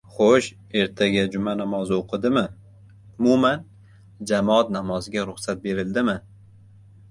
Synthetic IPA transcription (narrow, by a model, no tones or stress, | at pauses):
χoʃ | e̞ɾt̪ʰaɡʲad͡ʒʊmanamɒzoqʰɨd̪ɪmɪ | ʊmuman | d͡ʒamɒat̪namɒzɪɡʲaɾʊχsat̪̚be̞ɾɪld̪ɪmɪ